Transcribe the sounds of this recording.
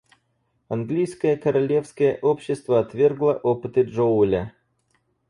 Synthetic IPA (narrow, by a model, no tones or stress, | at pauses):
ɐnɡlʲijskəjəkəɾɐlʲe̞fskəjəʔopɕːɪst̪vəɐt̪vʲe̞rɡlˠəʔopɨt̪ɨʐoulʲə